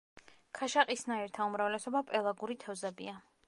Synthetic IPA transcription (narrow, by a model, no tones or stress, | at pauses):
kʰaʃaqʼisnaiɾt̪ʰaumɾavlɛsɔbapʼɛlˠaɡuɾit̪ʰɛvzɛbia